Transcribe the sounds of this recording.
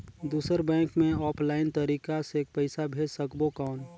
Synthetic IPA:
d̪uːsəɾbɛ̃ːŋkmẽɔːpʰlaːɪnt̪əɾiːkaseːk̚pəɪsabʱeːd͡ʒsəkbokɔːn

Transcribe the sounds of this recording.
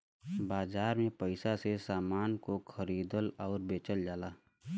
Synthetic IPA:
baːd͡ʒaːɾmẽpəɪsasesaːmaːnkokʰəɾiːd̪əlɔːɾbeːt͡ʃəld͡ʒaːlaː

